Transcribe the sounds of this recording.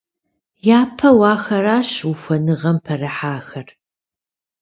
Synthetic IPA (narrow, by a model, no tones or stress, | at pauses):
jaːpʰɐwɑːxɐɾaːɕwufʷɐnɨʁɐmpʰɐrɨħaːxɐr